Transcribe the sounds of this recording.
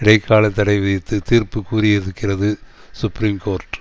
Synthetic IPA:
ɪɽɐɪkʰːaːlɐt̪ɐɽɐɪʋɪðɪt̪ːɯt̪iːɾpɯkːuːɾiɛðɯkːɪrɐðɯsʊpːɾiːmkoːɾʈ

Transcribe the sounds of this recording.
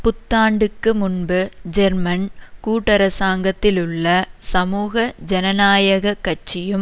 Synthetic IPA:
pʊt̪ːaːɳɖɯkːɯmʊnbɯd͡ʒɛɾmɐnkuːʈːɐɾɐsaːŋɡɐt̪ːɪlɯɭːɐsɐmuːɣɐd͡ʒɛnɐnaːjɐɣɐkːɐʈ̚t͡ʃːɪjɯm

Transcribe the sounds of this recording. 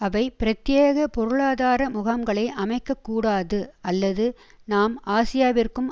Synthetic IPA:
ɐʋɐɪpɪɾɐt̪jeːɣɐpɔɾɯɭaːðaːɾɐmʊɣɐmɡɐɭɐɪʔɐmɐɪkːɐkːuːɽaːðɯɐlːɐðɯ | naːmaːsɪjaːʋɪrkɯm

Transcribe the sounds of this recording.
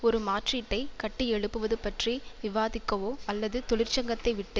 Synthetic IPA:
ɔɾɯmaːʈriʈːɐɪkɐʈːiɛɭɯpːɯʋɐðɯpɐʈriʋɪʋaːðɪkːɐʋoːɐlːɐðɯt̪ɔɭɪrt͡ʃɐŋɡɐt̪ːɐɪʋɪʈːɯ

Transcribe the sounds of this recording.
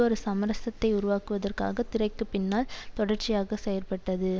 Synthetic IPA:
ɔɾɯsɐmɐɾɐsɐt̪ːɐɪʊɾʊʋaːkɯʋɐðɐrka̰ːɣɐt̪ɪɾɐɪkːɯpɪnːaːlt̪ɔɽɐrt͡ʃːɪjaːɣɐsɛjɐrpɐʈːɐðɯ

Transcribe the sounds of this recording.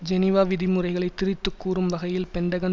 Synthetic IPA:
d͡ʒɛnɪʋaːʋɪðimɯrɐɪɣɐɭɐɪt̪ːɪɾɪt̪ːɯkːuːrɯmʋɐɣɐjɪlpɛɳɖɐɣɐn

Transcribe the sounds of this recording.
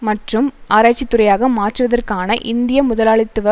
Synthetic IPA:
mɐʈrɯmʔaːɾaːt͡ʃːɪt̪ːʊɾɐjaːɣɐmaːʈrɯʋɐðɐrkaːnɐʔɪnd̪ɪjɐmʊðɐlaːɭɪt̪ːɯʋɐ

